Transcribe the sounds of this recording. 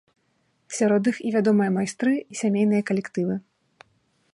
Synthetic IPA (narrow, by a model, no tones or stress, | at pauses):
sʲaɾɔd̪ɨxivʲad̪ɔmɨjɐmajst̪ɾɨisʲamʲejnɨjɐkɐlʲɛkt̪ɨvɨ